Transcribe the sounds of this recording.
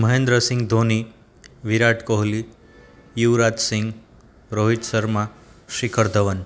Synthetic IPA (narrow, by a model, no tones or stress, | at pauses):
məɦẽnd̪ɾəsɪ̃ŋɡd̪ʱoni | ʋiɾaʈkoɦli | juʋɾat̪sɪ̃ŋɡ | ɾoɦiʈsəɾmãʃɪkʰəɾd̪ʱəʋən